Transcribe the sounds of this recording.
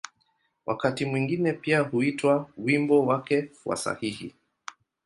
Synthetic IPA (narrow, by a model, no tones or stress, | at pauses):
wʔa̰katimwiŋɡinɛpiahuitwawimbɔwakɛwa̰sa̰hihḭ